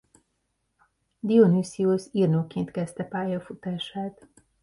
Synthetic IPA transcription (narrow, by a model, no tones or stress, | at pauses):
d̪ionysiosirnoːkeːnt̪kɛst̪ɛpaːjɒfut̪aːʃaːt̪